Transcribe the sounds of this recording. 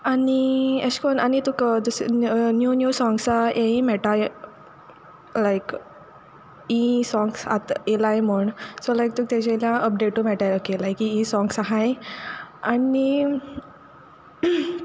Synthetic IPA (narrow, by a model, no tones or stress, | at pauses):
anieɕkonanit̪ukd̪usnjunjusɔ̃ŋɡsaʔẽĩmɛʈaj | lajk | ĩsɔ̃ŋɡsa̰t̪jelajm̤əɳsolajk̚t̪uːk̚t̪ad͡ʑaljãʔəp̚ɖeʈːumɛʈajəkːelajkĩĩsɔ̃ŋɡsaɦaj | ani